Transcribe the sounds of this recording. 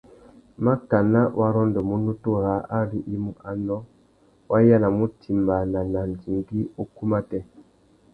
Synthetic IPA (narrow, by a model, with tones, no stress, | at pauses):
ma˦ka˨na˦wʔa˦ɾɔ˦ndɔ˨mu˦nu˦to˦ɾa˨˦ʔa˦ɾi˦ʔi˦mu˨ʔa˨nɔ˦ | wa˦ja˦la˨mu˦ti˨mba˨na˨na˨n˨di˨ŋɡi˦o˦ku˦ma˦tɛ˦˨